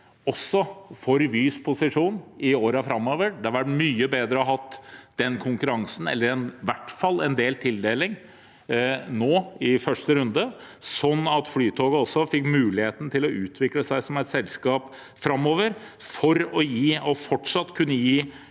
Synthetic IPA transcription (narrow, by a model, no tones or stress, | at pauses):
ɔsːɔfɔɾʋyːspʰʊsɪʂuːnɪoːɾɑfɾɑmːoːʋəɖ̪ɛʋɑʈmyːəbeːd̪ɾəɔɦɑt̪ːd̪̥ɛnkʰʊŋkʉɾɑŋsn̩ɛ̰lːəɾɛnʋæʈːfɑlːɛnd̪eːlt̪ʰɪld̪eːlɪŋ | noːɪfœʂʈəɾʉnd̪əsɔnːɑt̪flyːt̪ʰoːɡəɔsːɔfɪkːmʉːlɪheːt̪n̩t̪ʰɪlɔʉːt̪ʰʋɪkləsæɪsɔmɛɪt̪sɛlskɑːp | fɾɑmːoːʋəɾfɔɾɔjiːɔfɔʈʂɑt̪ːkʰʉnːəjiː